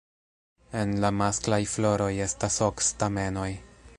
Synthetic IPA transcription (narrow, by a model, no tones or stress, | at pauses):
e̞nlamasklajflo̞ɾo̞je̞stasokstame̞no̞j